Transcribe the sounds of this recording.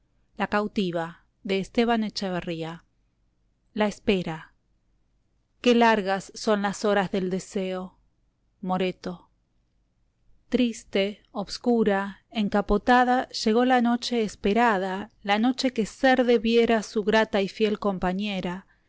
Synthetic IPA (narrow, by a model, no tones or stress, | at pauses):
lakawt̪iβa | ðe̞ːst̪e̞β̞anet͡ʃaβeria | laespe̞ɾa | kelaɾɣasːo̞nlaso̞ɾazðe̞ld̪e̞seo | mo̞ɾet̪o̞ | t̪ɾist̪e̞ | oβskuɾaeŋkapo̞t̪aðaʒ̥e̞ɣ̞o̞lano̞t͡ʃe̞ːspeɾaðalano̞t͡ʃe̞ke̞seɾðe̞βjeɾasuɣɾat̪aifje̞lko̞mpaɲe̞ɾa